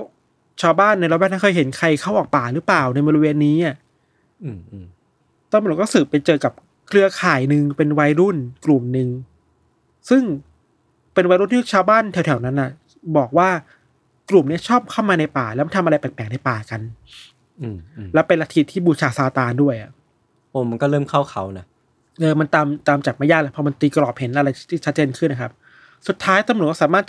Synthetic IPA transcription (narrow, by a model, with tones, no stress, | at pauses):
lɛ˦˥w | t͡ɕʰaː˧wbaː˥˩nːa˧lbɛ˥˩nʰa˥˩kʰɤː˧jɦe˩˦nkʰa˧jkʰa˥˩wʔɔː˨˩k̚paː˨˩ɾɯ˦˥plaː˨˩wna˧jbɔ˧ɾi˧we˧nːiː˦˥ʔa˧˥˩ | t̪ɔ˥˩ŋmː˧˨˦kɔː˥˩sɯː˨˩pːa˧jt͡ɕɤː˧ka˨˩p̚ | kʰlɯ˥˩ɐkʰaː˨˩jnɯ˧ŋpe˧nwa˧jɾu˥˩nklu˨˩mnɯ˨˧ŋ | sɯ˥˩ŋ | pe˧nwa˧˦jɾu˥˩nt̪ʰi˥˩t͡ɕʰaː˧wbaː˥˩˨nt̪ʰɛ˧˦wt̪ʰɛ˩˦wna˦˥nʔa˨˩ | bɔː˨˩k̚waː˥˩ | klu˨˩mni˦˥ɐt͡ɕʰɔː˥˩p̚kʰaː˥˩wmaː˧na˧jpaː˨˩lɛ˦˥wma˧˨nt̪ʰa˧mʔa˧jpɛ˨˩pɛː˨˩˦ŋna˧jpaː˨˩ka˧nː˨˧ | lɛ˦˥wpe˧nla˧t̪ʰi˦˩t̪ʰːiː˥˩buː˨˧˩t͡ɕʰaː˧saː˧t̪aː˧ndu˥˩əjʔa̰˨˩ʔ | ʔoː˧˩ma˧nkɔː˥˩ɾɤː˥˩mkʰa˥˩wkʰa˩˦wna˦˥ | ʔɤː˧ma˧nt̪aː˧mt̪aː˧mt͡ɕaː˨˩k̚maː˧˩jaː˥˩k̚lɛ˦˥˩pʰɔ˧ma˧nt̪iː˧klɔː˨˩p̚he˨˩˦nʔa˧ɾa˧jt̪ʰiː˥˩t͡ɕʰa˦˥t͡ɕeː˧nkʰɯ˥˩nːa˦kʰa˦˥p̚ | su˨˩t̪ʰːaː˦˥jt̪a˧m˧˨˩t̚kɔ˥˩sːmaː˥˩t̪̚